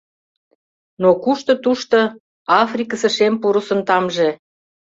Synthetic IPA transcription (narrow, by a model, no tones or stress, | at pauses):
nokuʃt̪ɤ̆t̪uʃt̪o | ɑfrikəsə̆ʃempuɾusə̆nt̪ɑmʒe